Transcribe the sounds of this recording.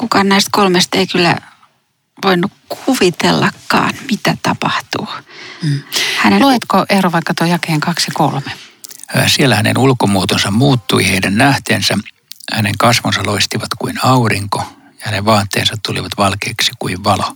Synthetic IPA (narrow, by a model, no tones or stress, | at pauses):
kukɑnnæist̪kolmest̪eikylːæ̰ | ʋoinːukkʰuʋit̪elːɑkːɑ̰ːnmit̪æt̪ɑpɑht̪ṵː | hæneloit̪koʔehroʋɑikːɑt̪uojɑkeːŋkɑksɑkolme̥ | sielːæhænḛnulkomuot̪onsɑmmuːt̪ːuiheidænnæht̪ḛːnsæ | hæneŋkɑsʋonsɑloist̪iʋɑt̪kuinɑuriŋko | jɑhæneʋʋɑːt̪ːḛːnsɑt̪t̪ulḭʋɑt̪ʋɑlkeːksi̥kuiʋʋɑlo